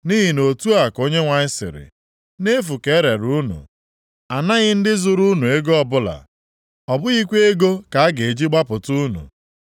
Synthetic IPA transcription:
niː˦ɦi˨no˨tu˦a˨ko˦ɲe˦ŋʷa˨ɲɪ˦sɪ̰˨ɾɪ̰˨ | ne˦fu˨ke˨˦ɾe˨ɾu˦nṵ˨ | a˨na˦ɣɪ˦n̩˦dɪ˦zʊ˨ɾu˦nu˨e˦ɡo˦ɔ˦bʊ˦la̰˨ | ɔ˨bʊ˦ɣi˦kʷe˦e˦ɡo˦ka˨a˦ɡe˨e˨d͡ʒi˦ɡ͡ba˦pʊ˨tu˦nṵ˨

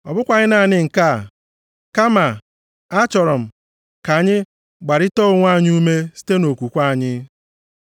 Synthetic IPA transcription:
ɔ̰˨bʊ˦kʷa˨ɲɪ˦na˨nɪ˦ŋ̩˨ka˦˨ | ka˦ma˨ | a˦t͡ʃɔ˨ɾɔ˨m̩˨ | ka˨ɲɪ˦ | ɡ͡ba˨ɾɪ˦tɔ˦ŋʷ˦a˦˨ɲ˦u˦me˦si̥˦te˦no˨kʷu˨kʷa˦˨ɲɪ˦

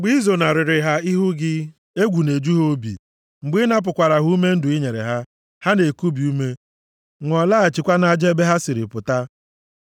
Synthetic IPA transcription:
ɡ͡bi˦zo˨na˨ɾɪ˨ɾɪ˨ɦa˦i˦ɦʊ˦ɡɪ˦ | e˦ɡʷu˨ne˨d͡ʒu˦ɦo˦bḭ˨ | ŋ͡m̩˨ɡ͡bɪ˦na˦p̬ʊ˨kʷa˨ɾa˨ɦu˦u˦me˦n̩˦dʊ˨i˦ɲe˨ɾḛ˨ɦa˦ | ha˦ne˨ku˦bi˨u˦me˦ | ŋʷɔ˨la˦a˨t͡ʃɪ˨kʷa˦na˦˨d͡ʒe˦be˦ɦa˦sɪ˨ɾɪ˨pʊ˨ta˦

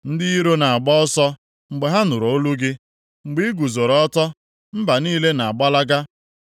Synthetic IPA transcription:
n̩˦dɪ˦i˦ɾo˦na˨a˨ɡ͡bɔ˦ɔ˦sɔ˦ | ŋ͡m̩˨ɡ͡be˨ɦa˦nʊ˨ɾo˨o˦lu˦ɡɪ˦ | ŋ͡m̩˨ɡ͡bi˦i˦ɡu˨zo˨ɾɔ˨ɔ˦tɔ˦ | m̩˦ba˨niː˦le˦na˨a˨ɡ͡ba˦la˦ɡa˦

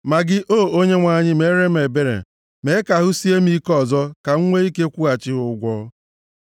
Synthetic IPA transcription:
ma˨ɡɪ˦ʔoː˦˨o˦ɲe˦ŋʷa˨ɲɪ˦me˨˦ɾe˦me˨be˦ɾḛ˨ | me˨˦ka˨ɦʊ˦si˦e˦m˦i˦kɔ˦˨zɔ˦ka˨ŋ̩˦ŋʷe˦i˦ke˦kʷu˦ɣa˨t͡ʃɪ˦ɦʊ˨˦ɡʷɔː˦

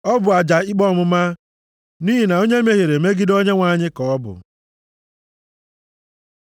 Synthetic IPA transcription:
ɔ˦bʊ˨a˨d͡ʒa˨i˦k͡pɔ˦˨mʊ˦ma˦ | niː˦i˨na˨o˦ɲe˦me˦ɣe˨ɾe˨me˦ɡɪ˦do˦ɲe˦ŋʷa˨ɲɪ˦kɔ˨ɔ˦bʊ̰˨

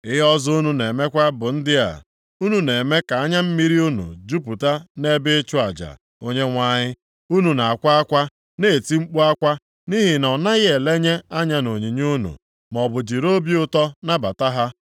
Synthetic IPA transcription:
ɪ˦ɦɔ˦zu˦nu˨ne˨me˦kʷa˦bʊ˨n̩˦dɪ˦a̰˨ | u˦nu˨ne˨me˦ka˨a˦ɲa˦m̩˦mi˦ɾi˦u˦nṵ˨d͡ʒu˦p̬u˨ta˦ne˦be˦t͡ʃu˦a˨d͡ʒa̰˨ | o˦ɲe˦ŋʷa˦ɲɪ˦ | u˦nu˨na˨a˨kʷa˦a˦kʷa˦ | ne˦e˨ti˦ŋ͡m̩˦k͡pu˦a˦kʷa˦ | ni˦ɦɪ˨nɔ˨na˦ɣɪ˦e˨le˦ɲe˦a˦ɲa˦no˨ɲi˨ɲu˦nṵ˨ | m˨ɔ˨bʊ˨d͡ʒi˨ɾo˦bi˦ʊ˦tɔ˦na˦ba˨ta˦ɦa˦

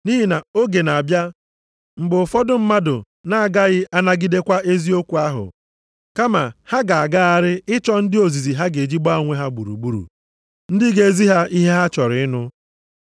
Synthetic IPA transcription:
ni˦ɦi˨na˨o˦ɡe˨na˨a˨bja˦ | m̩˨bʊ˨fɔ˦dʊ˦m̩˦ma˦dʊ˨ | na˦a˨ɡa˦ɣɪ˦a˦na˦ɡi˦de˦kʷa˦ʔe˦zi˦o˦kʷu˨a˦ɦʊ̰˨ | ka˦ma˨ha˦ɡa˨a˨ɡa˦a˦ɾɪ˦ɪ˦t͡ʃɔ˦n̩˦dɪ˦o˨zi˨zi˨ɦa˦ɡe˨d͡ʒi˦ɡ͡ba˦˨ŋʷe˦ɦa˦ɡ͡bu˨ɾṵ˨ɡ͡bu˦ɾṵ˨ | n̩˦dɪ˦ɡe˦e˦zi˦ɦa˦ʔi˦ɦe˦ɦa˦t͡ʃɔ˨ɾɪ˨ɪ˦nʊ˦

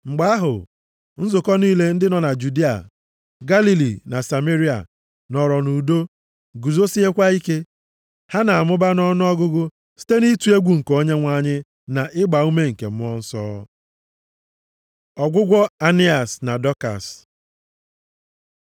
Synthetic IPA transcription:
ŋ͡m̩˨ɡ͡ba˦a˦ɦʊ˨ | n̩˦zʊ˨kɔ˦niː˦le˦n̩˦dɪ˦nɔ˨na˨d͡ʒu˨di˦a̰˨ | ɡa˦li˨li˨na˨sa˨me˦ɾi˦a̰˨ | nɔ˨ɾɔ˨nu˨do˦ | ɡu˨zo˦si˦ɦe˦kʷa˦i˦ke˦ | ha˦na˨a˨mʊ˦ba˦nɔ˦nʊ˦ɔ˦ɡʊ˦ɡʊ˦ | si̥˦te˦ni˦tu˨e˦ɡʷu˨ŋ̩˨ko˦ɲe˦ŋʷa˦ɲɪ˦ | na˨ʔɪ˦ɡ͡ba˨u˦me˦ŋ̩˨kḛ˨m̩˦ɔ˦n̩˦sɔ̰ː˦ | ɔ˨ɡʷʊ˦ɡʷɔ˦a˦ni˦a˨sna˨dɔ˦ka̰˨s

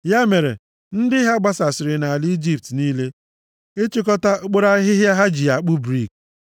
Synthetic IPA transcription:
ja˦me˨ɾḛ˨ | n̩˦dɪ˦ɦa˦ɡ͡ba˦sa˨sɪ˨ɾɪ˨na˨a˨li˦d͡ʒi˦p̚tniː˦le˦ | e˦t͡ʃi˦kɔ˦ta˦o˦k͡po˦ɾa˦ɦɪ˦ɦja˦ɦa˦d͡ʒi˨a˨k͡pʊ˦bɾi˦˨k̚

